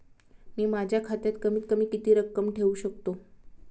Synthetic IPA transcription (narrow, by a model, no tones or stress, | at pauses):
miːmad͡ʑʱjakʰat̪jat̪kəmiːt̪kəmiːkit̪iːɾəkːəmʈʰeuɕək̚t̪o